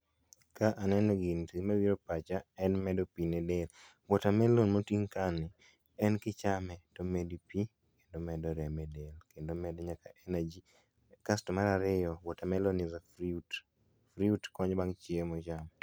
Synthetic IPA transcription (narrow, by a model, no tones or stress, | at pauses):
kaʔanɛnɛɡintimɛwiɾopat͡ʃaɛnmɛdopinɛdelwɔtamɛlonmotiŋkanɪ | ɛnkɪt͡ʃamɛtomedipi | kendomɛdɔɾɛmɛdelkendomɛdɔɲakaʔenad͡ʒi | kastɔmaɾaɾɪjɔwɔtamɛlonɪzaut | fɾiutkɔɲbaŋt͡ʃɪemɔd͡ʒam